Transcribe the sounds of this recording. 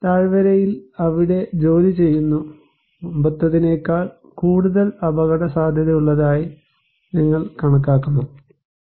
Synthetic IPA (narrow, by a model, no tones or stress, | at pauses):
t̪aːɻʋɐɾɐjilɐʋiɽe̞d͡ʑo̞ːlit͡ɕe̞jːunːu | but̪ːɐðine̞ːkːaːɻ | kuːɽuðɐɭɐbɐɣɐɽɐsaːd̪ʱjɐðɐuɭːɐðaːji | niŋːɐɭkɐɳɐk̬ːaːkːunːu